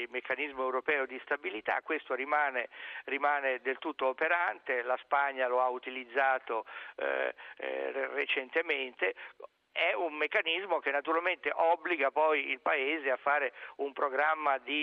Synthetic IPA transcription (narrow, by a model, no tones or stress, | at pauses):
mekːanizmoewɾopɛːod̪ist̪abilit̪a̰kːwest̪oɾimaːnerimaːned̪elt̪ut̪ːoːpeɾant̪elaspaɲːaloaut̪ilid̪zːaːt̪o | ret͡ʃent̪ement̪e | ɛummekːanizmok̟enːat̪uɾalment̪eʔɔbːliɡapɔjilpaeːzeafːaːɾeumpɾoɡɾamːad̪i